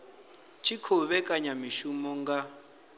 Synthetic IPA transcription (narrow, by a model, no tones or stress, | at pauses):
t͡ʃʰikʰɔβɛkʼaɲamiʃumɔŋɡa